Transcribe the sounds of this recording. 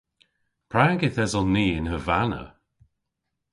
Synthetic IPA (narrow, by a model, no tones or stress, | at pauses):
pʰɹaːɡɪθɛzɔnːiːɪnhəvanə̰